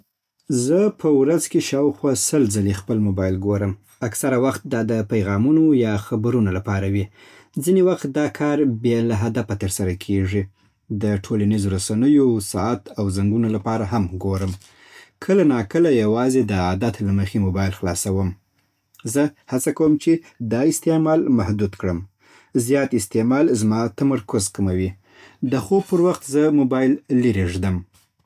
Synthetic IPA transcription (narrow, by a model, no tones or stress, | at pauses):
zəpʰəwɾazkeʃɑwxwɑsəlzalexpəlmobɑjɪlɡoɾəm | aksaɾawaxt̪̚d̪ɑd̪əpajɣɑmunojɑxabɾunalapɑɾawi | zinewaxt̪̚d̪ɑkʰɑɾbjelaɦad̪afat̪əɾsaɾakʰeʐi | d̪əʈʰolanizoɾasanəjosɑat̪awzaŋɡunolapɑɾaɦamɡoɾəm | kʰəlanɑkəlajawɑzed̪əad̪at̪laməxemobɑjɪlxlɑsawəm | zəhat͡sakawəmt͡ʃe | d̪ɑɪst̪emɑlmahd̪ud̪kɽəm | zjɑt̪ɪst̪emɑlzmɑt̪amaɾkʊzkamawi | d̪əxob̚pəɾwaxt̪zəmobɑjɪlːəɾeʒd̪əm